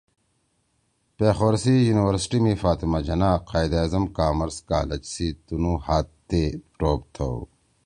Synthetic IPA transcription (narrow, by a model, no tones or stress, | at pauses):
peːxwɐɾsijuːniwɐɾsʈimifaːt̪imad͡ʑɐnaːqaːjd̪aːzɐmkaːmɐɾska̰ːlɐd͡ʑsiːt̪unuhaːt̪t̪ːepɾoːp̚t̪ʰo̰w